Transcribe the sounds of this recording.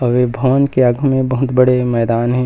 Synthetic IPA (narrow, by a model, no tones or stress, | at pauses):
ɔʋebʱɐʋənkeəɡʱmẽbɐɦʊt̪bɐɽemɛːd̪aːnɦɛ̃